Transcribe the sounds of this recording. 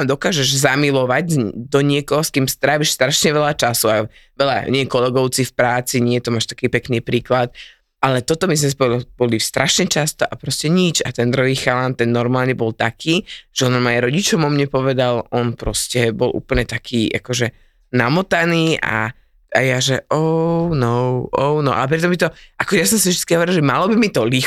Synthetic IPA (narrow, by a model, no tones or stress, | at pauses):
amd̪ɔkaːʒɛʒzamilɔʋaɟd̪ɔɲɪɛkɔɦɔskiːmst̪ɾaːʋiʃst̪ɾaʃɲɛʋɛʎat͡ʃasua | ʋɛʎa̰ɲɪɛkɔlɛɡɔʊt͡sifpɾaːt͡siɲɛjɛt̪ɔmaːʃt̪ḁkiːpɛkniːpɾiːklat̪̚ | ʔalɛt̪ɔt̪ɔmisɲɛspɔilb̥ɔlist̪ɾʔaʃɲɛt͡ʃast̪ɔʔapɾɔscɛɲit͡ʃat̪ɛnd̪ɾuɦiːxalant̪ɛnːɔɾmaːlɲɛbɔlt̪akʰiːʒ̥ɛɔnmajɛɾɔɟit͡ʃɔmɔmɲɛpɔʋɛd̪alʔɔnpɾɔscɛbɔ̰lʔṵːpl̩ɲɛt̪akʰiːʔa̰kɔʒɛ | namɔt̪aniːʔa̰ | a̰jaʒɛʔɔʊnɔʊʔɔʊnɔʔalɛp̬ɾit̪ɔmbit̪ɔʔakɔʒɛjas̬ɔmsivʒd̪it͡skiɦɔʋɔɾilʒɛmalɔbimit̪ɔli